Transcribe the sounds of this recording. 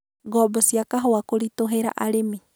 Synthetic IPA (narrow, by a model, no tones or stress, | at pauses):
ɡɔbəsiakaɦowakuɾit̪oɦeɾa̰ʔaɾimi